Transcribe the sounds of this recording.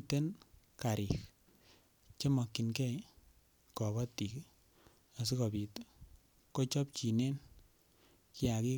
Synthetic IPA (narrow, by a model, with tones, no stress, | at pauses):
te˦n | ka˨ɾik | t͡ʃe˦mɔ˨kːi˨nkɛ˦j | kɔ˨βɔ˦ti˨k | a˨s̬i˦kɔ˨pi˨t | ko˦t͡ʃɔ˦p̚t͡ʃi˨ne˦n | ki˦a˨ki˦